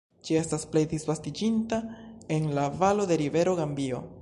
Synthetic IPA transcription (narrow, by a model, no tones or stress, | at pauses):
d͡ʒie̞stasple̞jd̪isvastid͡ʒintae̞nlavalo̞de̞ɾive̞ɾo̞ɡambio̞̰